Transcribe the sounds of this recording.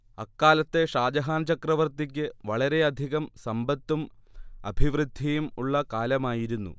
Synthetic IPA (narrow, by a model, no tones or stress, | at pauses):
ɐkːaːlɐt̪ːe̞ʂaːd͡ʑɐɦaːnt͡ɕɐkrɐʋɐrt̪ik̬ʲːɨʋɐɭɐɾe̞ɐd̪ʱiɣɐmsɐmbɐt̪ːumɐ̰bʱiʋrɨd̪ʱːijumuɭːɐkaːlɐmaːjiɾunːṵ